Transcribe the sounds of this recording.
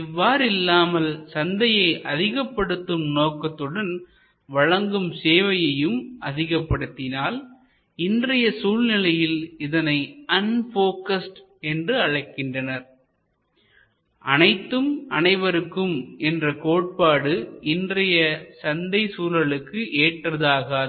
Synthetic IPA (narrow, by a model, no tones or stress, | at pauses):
ɪʋːaːɾɪlːaːmɐlsɐnd̪ɐjɐɪʔɐðɪɣɐpːɐɽɯt̪ːɯmnoːkːɐt̪ːɯɽɐn | ʋɐɻɐŋɡɯmseːʋɐjɐjɯmʔɐðɪɣɐpːɐɽɯt̪ːɪnaːl | ɪndrɐjɐsuːlnɪlɐjɪlɪðɐnɐɪɐnfoːkɐsʈ | ɛndrɯɐɻɐɪkːɪndrɐnɐɾ | ʔɐnɐɪt̪ːɯmɐ̰nɐɪʋɐɾɯkːɯmɛndrɐkoːʈ̚paːɽɯɪndrɐjɐsɐnd̪ɐɪsuːlɐɭɯkːɯʔeːʈrɐðaːɣa